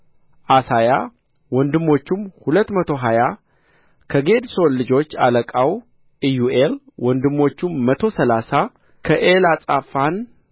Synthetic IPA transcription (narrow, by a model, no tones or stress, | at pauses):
ʔasaja | wɔnd̪ɨmːo̞t͡ʃːumhulət̪ːmət̪ʰo̞ɦaja | kʰəɡe̞d̪so̞nlːɨd͡ʒo̞t͡ʃːa̰ləkʼaw | ʔijuʔel | wɔnd̪ɨmːo̞t͡ʃːumːət̪ʰo̞səlasa | kʰəʔelasʼafan